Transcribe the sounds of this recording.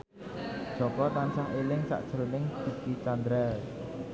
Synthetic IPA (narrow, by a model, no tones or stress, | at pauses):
d̥ʒ̥ɔ̤kɔt̪ansaŋʔelɪŋsa̰ʔd̥ʒ̥əɾonɪŋd̥i̤kit͡ʃand̪ɾɛl